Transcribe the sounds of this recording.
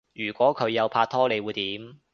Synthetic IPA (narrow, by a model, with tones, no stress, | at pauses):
jyː˨˩kʷɔː˨˥kʰɵ˨˧ɥjɐ˨˧wpʰaː˧t̚t̪ʰɔː˥le˨˧jwuː˨˧jt̪iː˨˥m